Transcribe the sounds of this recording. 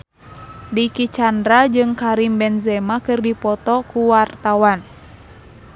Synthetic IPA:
dikit͡ʃandɾad͡ʒɨŋkaɾimbɛnzɛmakɨrdipɔt̪ɔkuwart̪awan

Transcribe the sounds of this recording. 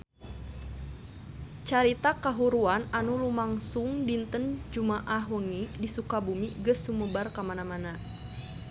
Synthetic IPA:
t͡ʃaɾit̪akaɦuɾuananulumaŋsuŋdint̪ənd͡ʒumaʔaɦwəŋidisukabumiɡəsːuməbarkamanamana

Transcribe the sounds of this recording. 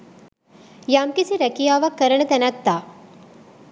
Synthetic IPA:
jamkisiɾɐkijaːʋakːəɾəɳət̪ɛnat̪ːaː

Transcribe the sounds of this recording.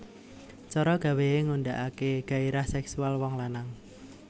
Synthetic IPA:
t͡ʃɔɾɔɡ̥a̤wejeŋuɳɖaʔakeɡ̥a̤eɾahsɛksualwɔŋlanaŋ

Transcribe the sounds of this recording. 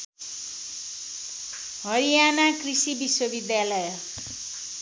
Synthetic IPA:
ɦʌɾijanakrisibiswʌbid̪jalʌjʌ

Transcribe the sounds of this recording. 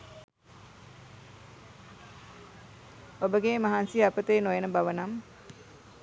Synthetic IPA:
obəɡeːmaɦansiapət̪eːnojenəbaʋənam

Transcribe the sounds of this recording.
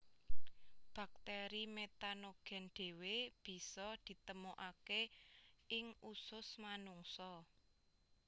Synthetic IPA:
b̥a̤k̚t̪eɾimet̪anoɡ̥ɛ̤nɖ̪̥e̤web̥i̤sɔd̪̥i̤t̪əmoʔake | ɪŋusʊsmanuŋsɔ

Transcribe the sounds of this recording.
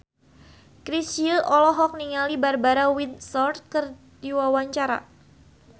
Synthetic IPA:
kɾisiəlʔɔlɔɦɔk̚niŋalibarbaɾawinsɔrt̪̚kər | diwawaɲt͡ʃaɾa̰

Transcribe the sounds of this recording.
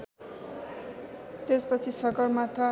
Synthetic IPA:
t̪espʌt͡sʰisʌkʌrmat̪ʰa

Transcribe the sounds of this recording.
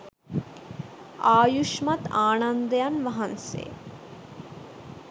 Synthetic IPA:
aːjuʃmɐt̪aːnɐnd̪jɐnʋɐɦɐnsḛː

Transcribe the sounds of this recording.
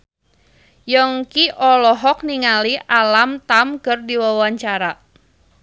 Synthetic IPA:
jɔŋkiʔɔlɔɦɔk̚niŋaliʔalamt̪amkərdiwawaɲt͡ʃaɾa

